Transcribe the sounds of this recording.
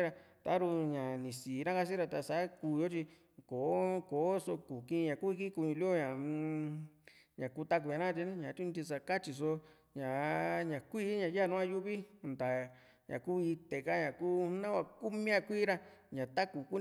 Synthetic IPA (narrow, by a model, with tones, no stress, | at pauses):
ɾa˧t̪a˨˦ɾu˧ɲã˨nĩ˨siː˨˦nã˦ka˧s̬i˦ɾa˧t̪a˧sa˨˦kuː˧jo˦t͡ʃi˧ | ko˨˦ko˨˦so˧ku˨kĩ˧ɲã˨ku˦˧i˧ki˦ku˧ɲũ˧lo˦ɲã˨˧ | ɲã˨ku˧t̪a˦˧k̬u˧ɲã˧nã˦˧t͡ʃi˧ñ˦ɲã˨t̪u˦nĩ˧t̪i˧s̬a˧ka˦t͡ʃi˧so˧ | ɲã˨ɲã˨kʷiː˦ɲã˨˧ja˦˨nũ˦ã˧ju˦βi˦˧nd̪a˨ | ɲã̰˨ku˦i˧t̪e˨ka˦ɲã˨kuː˦nã˦kʷa˧ku˦mĩ˦ã˧kʷiː˦ɾa˧ | ɲã˨t̪a˦ku˨ku˦